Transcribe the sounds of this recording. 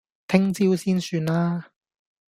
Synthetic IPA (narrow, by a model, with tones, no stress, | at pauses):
t̪ʰɪ˥ŋt͡siː˥wsiː˥nsyː˧nlaː˥